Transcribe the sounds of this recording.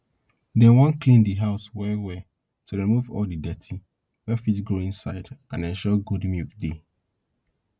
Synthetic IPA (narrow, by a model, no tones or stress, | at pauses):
dɛwɔ̃nklĩndiɦaʊswɛwɛ | tʰuɹimuvɔ̰ldidɛtʰi | wɛfitɡɹoĩnsaɪdʔãnɛ̃nʃɔɡudmikde